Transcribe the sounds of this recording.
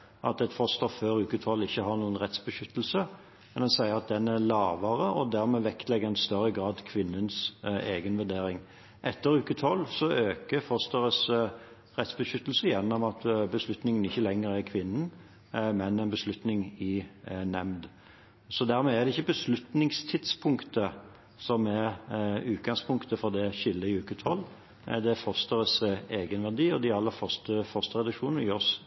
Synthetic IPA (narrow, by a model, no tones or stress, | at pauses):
ʔɑ̰t̪ɛt̪fɔst̪əføːɾʉːkət̪ʰɔlːɪçːəɦɑʁnuːənʁɛt̪sbəʃʏt̪ːəl̩sə | mɛnd̪ɛnsæɪəɾɑt̪̚d̪ɛnæɾlɑːʋəʁəʔɔd̪æʁmɛːʋɛkt̪lɛɡəʁɛɪnst̪œɾːəɡʁɑːd̪kʰʋɪnːənseːɡənʋʉd̪eːɾɪŋ | ʔɛt̪ːəɾʉːkət̪ʰɔlːsɔøːkəfɔst̪əʁəs | ʁɛt̪sbəʃʏt̪ːəl̩səjɛnːɔmɑt̪bəslʉt̪nɪŋənɪçːəlɛŋːəɾækʰʋɪnːən | mɛnɛɪnbəslʉt̪nɪŋɪnɛmd̪ | sɔd̪æɾmɛæʁd̪ɛɪçːəbəslʉt̪nɪŋst̪ʰɪd̪spʰʊŋkt̪ə | sɔmɛʁʉːt̪̚ɡɑŋspʰʊŋkt̪əfɔʁd̪ɛʃɪlːəɪʉːkət̪ʰɔlː | d̪ɛfɔst̪əʁəseːɡənʋæʁd̪iːɔd̪ɪɑlːəɾfœʁst̪əfœʁst̪əʁɛd̪ɑkʂuːnnəɪɔs